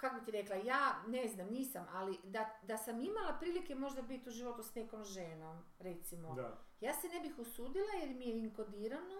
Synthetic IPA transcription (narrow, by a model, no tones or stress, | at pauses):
kakobit̪iɾeklˠajaːneznamniːsamalid̪ad̪asamimalapɾiːlike̞mo̞ʒd̪abit̪uʒiʋo̞t̪usneko̞mʒeːnom | ɾet̪simo̞jaːsene̞bixusuːd̪ilajeɾmijeiŋkod̪iːɾano